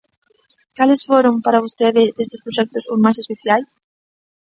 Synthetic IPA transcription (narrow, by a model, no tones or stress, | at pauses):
kalɪsfoɾompaɾaβ̞ost̪eðɪd̪est̪ɪspɾoʃɛk̚t̪ʊsusmajsespeθjajs